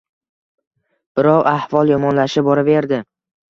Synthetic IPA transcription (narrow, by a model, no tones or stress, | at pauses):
b̥ɪɾɒqahvɒlˠjɒmɒnlaʃɪbɒɾave̞ɾd̪ɪ